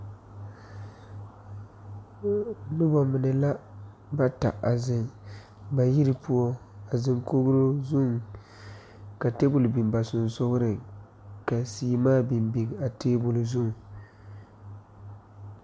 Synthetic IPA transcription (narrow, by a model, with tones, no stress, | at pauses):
nɨ˦bɔ˦mɪ˨nɨ˨la˦ | ba˦ta̰˨ʔa˨zɪ˨ŋ | ba˨ji˦ɾɨ˨pu˦ɔ˦a˨zɪ˨ŋko˦ɡɾo˦zʊ˦ŋ | ka˨te˦bʊ˨lbi˨mba˨sʊ˨n˨sʊ˦ɣɾɨ˨ | ka˨siː˨˦maː˦bi˨mbi˨ŋ˨a˨teː˦bʊ˨lzʊ˦ŋ˨